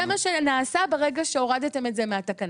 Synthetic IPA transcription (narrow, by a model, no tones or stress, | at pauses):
emaʃenaːsabeʁeɡaʃe̞o̞ʁadate̞me̞tze̞meatakan